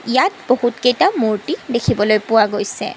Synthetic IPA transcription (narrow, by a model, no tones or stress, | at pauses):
ijatb̥ohutkejtamuɹtidekʰibɔlojpʊwaɡojsɛ̰